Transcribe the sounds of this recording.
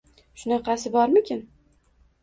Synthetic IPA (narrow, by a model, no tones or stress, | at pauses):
ʃʊnɑqɑsɪbɒɾmɪkʲɪn